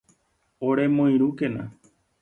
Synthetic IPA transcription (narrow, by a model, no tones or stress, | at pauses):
oɾemõĩɾ̃ũkenã